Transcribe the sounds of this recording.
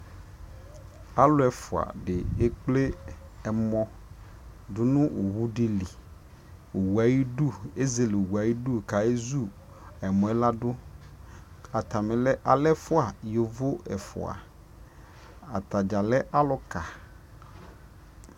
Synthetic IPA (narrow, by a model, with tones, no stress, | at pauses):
a˦lʊ˦ɛ˨fʊ˨a̰˨ɖe˨e˦k͡ple˦ɛ˨mɔ̃˦ | dʊ˦nʊ̃˦u˨wu˦ɖe˦li˨ | o˨wu˨a˨ji˦ɖu˦˨e˦ze˨le˨wu˨a˨ji˦ɖu˦˨ka˨e˦zu˦ | ɛ˨mɔ̃˨ɛ˦la˦ɖʊ˦ | a˨t̪a˨me˨lɛ˦ʔa˨lɛ˦fʊ˦a˨jo˨vo˦ɛ̰˨fʊ̰˨a̰˨ | a˨t̪a˨d͡ʒa˨lɛ˦ʔa˦lʊ˦ka˨